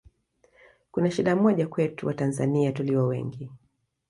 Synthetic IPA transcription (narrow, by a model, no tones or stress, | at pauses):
kunaʃiɗamɔʄakwɛtuwatanza̰niatuliwɔwɛ̰ŋɡi